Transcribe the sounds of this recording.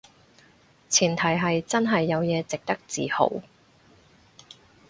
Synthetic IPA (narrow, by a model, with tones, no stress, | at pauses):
t͡sʰiː˨˩nt̪ʰɐ˨˩jɦɐ˨jt͡sɐ˥nɦɐ˨jːɐ˨˧wjɛː˨˧t͡sɪ˨k̚t̪ɐ˥k̚t͡siː˨ho̰˨˥w